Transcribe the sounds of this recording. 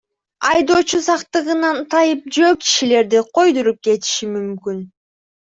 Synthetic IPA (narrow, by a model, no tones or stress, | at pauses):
ɑjd̪o̞ːt͡ʃusɑqt̪ɯʁɯnɑnt̪ʰɑjɯp̚d͡ʒøːki̥ʃile̞ɾd̪iqʰo̞jd̪uɾup̚ke̞t̪i̥ʃimymkyn